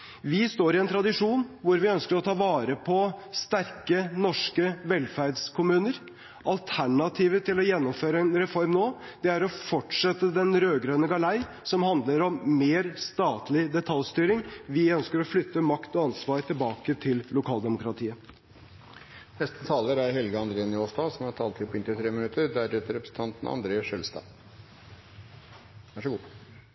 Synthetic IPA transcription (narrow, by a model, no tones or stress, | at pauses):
ʋɪst̪oːɾɪɛnt̪ʰɾɑd̪ɪʂuːnʋʊɾʋɪœnskəɾɔt̪ʰɑːʋɑːɾəpʰɔst̪æɾkənɔʂkəʋɛlfæɾdskʰʊmʉːnəɾ | ʔɑlt̪ʰæɳɑt̪ʰiːʋət̪ʰɪlɔjɛnːɔmføːɾəɛnɾɛfɔɾmnoː | d̪̥ɛæɾɔfɔʈʂɛt̪ːəd̪ɛnɾøːɡɾøːnəɡɑlæɪ | sɔmhɑnd̪ləɾɔmːeːɾst̪ɑːt̪ʰlɪd̪ɛt̪ʰɑlʲst̪yːɾɪŋʋɪœnskəɾɔflʏt̪ːəmɑkt̪ɔɑnsʋɑːɾt̪ʰɪlbɑːkət̪ʰɪllʊkʰɑːld̪ɛmʊkɾɑt̪ʰiːə | nɛst̪ət̪ʰɑːləɾæɾɦɛlɡəɑnd̪ɾeːənʏoːʂtɑːsɔmhɑtʰɑːlt̪ʰɪlpʰɔɪnt̪ɪt̪ʰɾeːmənʉt̪ʰəɾd̪æɾɛt̪ːəɾɛpɾəsn̩t̪ʰɑnt̪n̩ɑ̰nd̪ɾeːəʂœlst̪ɑ̰ː | ʋæʂəɡuː